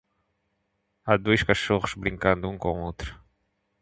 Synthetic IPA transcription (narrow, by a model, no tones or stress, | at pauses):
ad̪ojskaʃoʁʊzbɾĩŋkɐ̃nd̪ʊũŋkõowt̪ɾʊ